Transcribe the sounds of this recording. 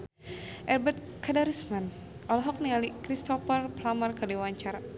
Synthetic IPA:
ʔɛrbɛt̪̚ | kadaɾusman | ʔɔlɔɦɔk̚nialikɾist̪ɔfərplamarkadiwaɲt͡ʃaɾa

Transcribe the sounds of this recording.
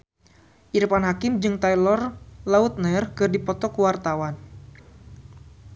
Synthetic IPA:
ʔiɾpanɦakɪmd͡ʒɨŋt̪ajlɔrlaut̪̚nɛrkɨrdipɔt̪ɔkuwart̪awan

